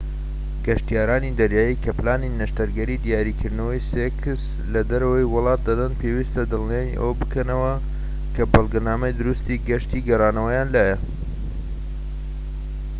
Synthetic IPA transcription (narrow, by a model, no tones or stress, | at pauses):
ɡ̥ɐʃt̪ijaːɾaːnid̪ɐɾjaːjikʰɐplaːninɐʃt̪ɐɾɡɐɾid̪ijaːɾikʰɨɾd̪nɐwɐjsekʰɨs | lɐd̪ɐɾɐwɐjwʊlˠɑːt̪̚d̪ɐd̪ɐnpʰewist̪ɐd̪ɨlˠnenḭʔɐ̰wɐbɨkɐnɐwɐ | kʰɐbɨlˠɡɐnaːmɐjd̪ʊɾust̪iɡɐʃt̪iɡɐrɑːnɐwɐjaːnlaːjɐ